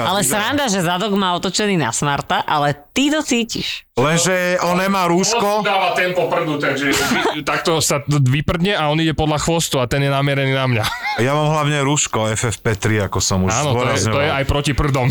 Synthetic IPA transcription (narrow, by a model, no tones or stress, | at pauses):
alɛsɾand̪aʒɛzad̪ɔɡmaːɔt̪ɔt͡ʃɛniːna̰smaɾt̪aʔalɛt̪it̪ɔt͡siːcḭʃlɛnʒɛʔɔnɛmaːɾuːʃkɔd̪aːʋat̪ɛmpɔpr̩d̪ut̪aɡʒɛt̪ak̚t̪ɔsaʋipr̩d̪ɲɛaɔniɟɛpɔd̪laxʋɔst̪uat̪ɛnjɛnamɛɾɛniːnamɲajamaːmɦlaʊɲɛɾuʃkɔɛfɛfpɛt̪ɾiakɔsɔmuʒaːnɔt̪ɔɔɾjɛzɲɔɔjɛajpɾɔcipr̩d̪ɔm